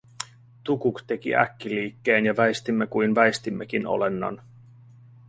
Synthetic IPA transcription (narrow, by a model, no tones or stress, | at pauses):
t̪ukukt̪e̞k̟ḭʔæ̰kːiliːkːeːnjɑʋæest̪imːekujnʋæest̪imːekino̰le̞nːɑ̰n